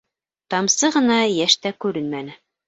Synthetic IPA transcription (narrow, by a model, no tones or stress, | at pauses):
t̪ɑmsɤʁɤ̆nɑjæʃt̪ækʉɾɘnmænɘ